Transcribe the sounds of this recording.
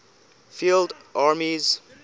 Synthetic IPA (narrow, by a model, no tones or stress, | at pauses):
fildʔaɹmiz̥